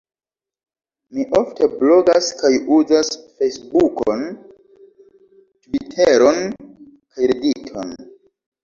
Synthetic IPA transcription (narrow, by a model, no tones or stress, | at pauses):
miʔo̞ftʰe̞blo̞ɡaskajuzasfejsbukon | tvitʰeɾo̞n | kajɾeditʰo̞̰n